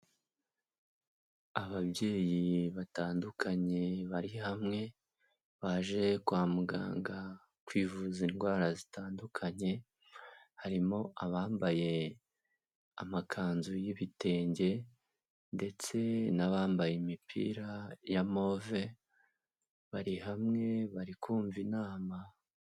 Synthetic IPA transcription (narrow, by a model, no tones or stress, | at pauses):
aβabɟe̞ːjiβataːndukʰaɲe̞βaɾihamŋe̞ | βaʒe̞kwaːmuɡa̰ːŋɡa | kwiːvuzinɡwaːɾazitaːndukʰaɲe̞ | haɾimo̞ʔaβaːmbaje̞ | a̰makʰaːnzujiβite̞ːɲɟe̞ | nde̞t͡se̞naβaːmbajemipʰḭɾajamo̞ve | βaɾihamŋe̞βaɾikuːɱvinaːma